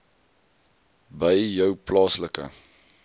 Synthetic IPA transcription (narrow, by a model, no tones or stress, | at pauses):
bəjjəwplɑːsləkə̰